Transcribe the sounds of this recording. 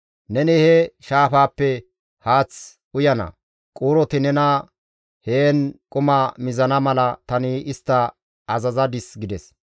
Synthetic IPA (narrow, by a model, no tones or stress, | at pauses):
nɛnɪhɛʃaːfaːpːɛ | haːt͡s | ʊjɐnɐ̰ | kʼuːɾɔt̪ɪnɛnɐ | heːnkʼʊmɐmɪzɐnɐmɐlɐt̪ɐnɪɪst̪ːɐ | ɐzɐzɐd̪ɪsɡɪd̪ɛs